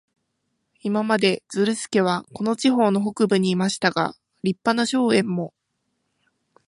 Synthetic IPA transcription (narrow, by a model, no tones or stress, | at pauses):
imamad̪e̞d͡zɨɾɯ̟sɨ̥ke̞β̞ako̞no̞t͡ɕiɦo̞ːno̞ɦo̞kɯ̟bɯ̟ɲ̟iːmaɕi̥t̪aɡa̰ | ɾʲipːanaɕo̞ːẽ̞mːo̞